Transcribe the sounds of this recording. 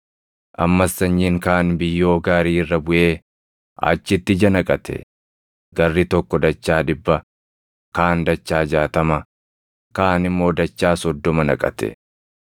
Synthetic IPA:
ʔɐmːɐsːɐɲːiːŋkaːnbɪjːo̞ːɡaːɾiːɪrːɐbʊʔe̞ː | ʔa̰ːt͡ʃːɪt̪ːɪd͡ʒɐnɐkʼɐt̪ʰɛ̰ | ɡ̥ɐrːit̪ɔkːɔd̪ɐt͡ʃːaːd̪ɪbːɐ | kaːnd̪ɐt͡ʃːaːd͡ʒaːt̪ɐmɐ | kaːnɪmːo̞ːd̪ɐt͡ʃːaːsɔd̪ːɔmɐnɐkʼɐ̰t̪ɛ̰

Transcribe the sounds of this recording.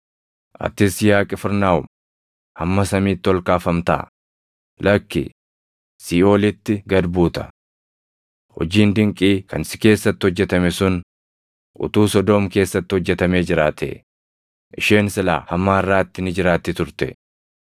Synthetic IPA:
ʔɐ̰t̪ːɪsjaːkʼɪfɪɾnaːʊm | hɐmːɐsɐmiːt̪ːɪɔlkaːfɐmt̪a̰ː | lɐkːɪ̰ | siːo̞ːlɪt̪ːɪɡɐd̪buːt̪ɐ̥ | hɔ̰d͡ʒiːnd̪ɪŋkʼiːkʰɐnsɪ̥ke̞ːsːɐt̪ːɪhɔd͡ʒːɛt̪ɐmɛsʊn | ʔʊ̰t̪uːsɔd̪ɔːmke̞ːsːɐt̪ːɪhɔd͡ʒːɛt̪ɐme̞ːd͡ʒɪɾaːt̪ʰɛ̰ | ʔɪʃeːnsɪla̰ːhɐmːaːɪrːaːt̪ːɪnɪd͡ʒɪɾaːt̪ːɪt̪ʊɾt̪ɛ̰

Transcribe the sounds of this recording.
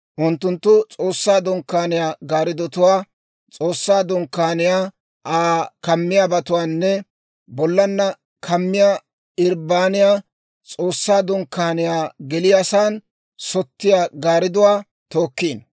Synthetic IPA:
ʔʊnt̪ːʊnt̪ːʊt͡sʼoːsːaːd̪ɔŋkːaːnɪjaːɡaːɾɪd̪ɔt̪ʊwaː | t͡sʼo̞ːsːaːd̪ɔŋkːaːnɪjaː | ʔaːkɐmːɪjaːbɐt̪ʊwaːnːɛ | bɔlːɐnːɐ | kʰɐmːɪjaː | ɪɾbaːnɪjaː | t͡sʼo̞ːsːaːd̪ɔŋkːaːnɪjaːɡɛlɪjasaːn | sɔt̪ːɪjaːɡaːɾɪd̪ʊwaː | t̪oːkːiːn

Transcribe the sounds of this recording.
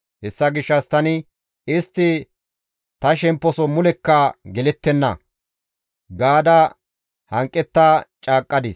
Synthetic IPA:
hɛsːɐɡɪʃːɐst̪ɐnɪ | ɪst̪ːɪ | t̪ɐʃɛmpːɔsɔmʊlɛkːɐɡɛlɛt̪ːɛnːɐ̰ | ɡaːd̪ɐ | hɐŋkʼːɛt̪ːaːt͡ʃʼaːkʼːɐd̪ɪs

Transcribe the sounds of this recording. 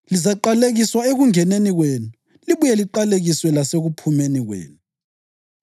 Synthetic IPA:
lizaǃaleɣiswaeɣuŋɛneniɣweːnuu | liβujɛliǃaleɣiswɛlaseɣupʰumeniɣwḛːnu

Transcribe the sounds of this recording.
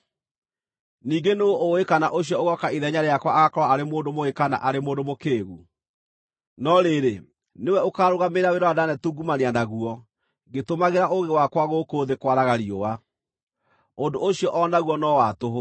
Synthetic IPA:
niːɡenooʔːekanaʔoɕ̬ijɔoɣɔkaiðɛɲaɾeakwaːɣakɔɾwaaɾemoːndomoekana̰ʔaɾemoːndomokeːɣu | nɔɾeɾe | newɛokaːɾoɣameɾaweɾɔadanɛtuɡumaneanaɣuɔ | ɡetomaɣeɾaʔoɣewakwaɣokoːðekwaɾaɣaɾioa | ondooɕiɔʔɔnaɣwɔnɔwatoɦo

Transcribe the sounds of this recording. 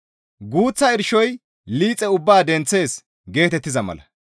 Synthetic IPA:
ɡuːt͡sːɐɪɾʃɔj | liːt͡sʼːɛʊbːaːd̪ɛnt͡sːe̞ːs | ɡe̞ːt̪ɛt̪ːɪzɐmɐ̰lɐ

